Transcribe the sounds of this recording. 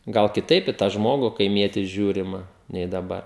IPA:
ɡɐlˠ kʲɪˈtɐɪp ɪ tɑː ˈʒmoːɡʊ kɐɪˈmʲiɛtʲiː ˈʒʲuːrʲɪmɐ nʲɛɪ dɐˈbɐr

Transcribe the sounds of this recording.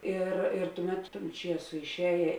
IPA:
ˈɪr ɪr ˈtʊˌmʲɛt toːn ˈt͡ʃʲiɛsoː ɪʃʲˈɛːjeː

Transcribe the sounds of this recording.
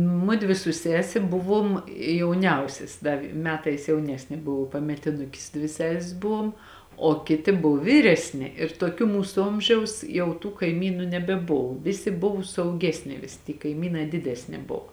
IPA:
ˈmʊdʲʋʲɪ sʊ ˈsʲæːsʲɛ ˈbʊˌʋuɔm jɛʊˈnʲɛʊsʲɛs ˈdɐ ʋ ˈmʲæːtɐɪs jɛʊˈnʲæːsʲnʲeː ˈbʊʋoː pɐmʲɛtʲɪˈnʊkʲɪs ˈdʲʋʲɪ ˈsʲæːsʲɪs ˈbʊʋuɔm oː ˈkʲɪtʲɪ ˈbʊw ˈʋʲiːrʲɛsʲnʲɪ ɪr toːˈkʲuː ˈmuːsʊ ˈoːmʲʒʲɛʊs ˈjɛʊ tuː kɐɪˈmʲiːnuː nʲɛbʲɛˈboːw ˈʋʲɪsʲɪ ˈbʊʋʊ sʊɐʊˈɡʲæːsʲnʲɪ ˈʋʲɪsʲɪ tʲiː kɐɪˈmʲiːnɐɪ ˈdʲɪdʲɛsʲnʲɪ ˈboːw

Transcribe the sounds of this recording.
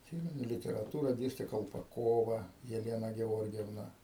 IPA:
ɐtʲˈsʲiːmʲɛnʊ lʲɪtʲɛrɐˈtuːrɐ ˈdʲeːsʲtʲɛ kɐlˠpɐˈkoːʋɐ jɛˈlʲæːnɐ ɡʲɛˈoːrʲɡʲɛwnɐ

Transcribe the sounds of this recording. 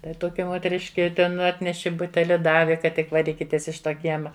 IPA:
ˈtɐɪ toːˈkʲɛ moːtʲɛˈrʲɪʃʲkʲɪ ˈtʲɛn ˈɑːtʲnʲɛʃʲɪ ˈbʊtʲɛlʲɪ ˈdɑːʋʲɪ kɐt ˈtʲɪk ʋɐˈrʲiːkʲɪtʲeːs ɪʃ ˈtoː ˈkʲiɛmɐ

